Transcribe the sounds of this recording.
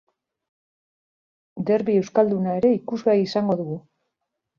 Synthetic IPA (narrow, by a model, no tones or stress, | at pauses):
d̪e̞ɾβie̞wskald̪unae̞ɾe̞ikuzβeaiisaŋɡo̞ðuɣu